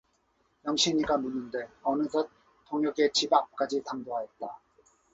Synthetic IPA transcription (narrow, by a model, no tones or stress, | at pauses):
jʌŋɕʰiɲiɡanunːɯnde̞ʌnɯsʰʌ | t͈oŋjʌɡe̞t͡ɕibak̚k͈ad͡ʑitaŋdoɦaet̚t͈a